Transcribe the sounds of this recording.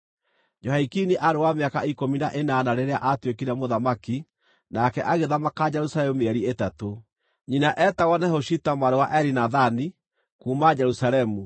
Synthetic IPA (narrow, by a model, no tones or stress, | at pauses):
d͡ʒɔhaikiniʔaɾewameakaikominaʔenanaɾeɾeaʔatwekiɾɛmoðamaki | nakɛʔaɣeðamakad͡ʒɛɾusalɛmumeɛɾietato | ɲinaʔɛtaɣɔnɛhoʃitamwaɾewaʔɛɾinaðani | kuːmad͡ʒɛɾusaɾɛmu